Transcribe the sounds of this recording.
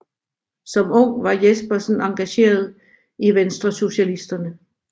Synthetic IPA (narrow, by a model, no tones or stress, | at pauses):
sɒ̽mɔ̽ŋ̰ʋɑ̈jesb̥ɐsn̩ɑ̈ŋɡ̥æɕe̝̰ːɐð̞ˠ | iʋensd̥ʁɐso̝ɕælisd̥ɐnə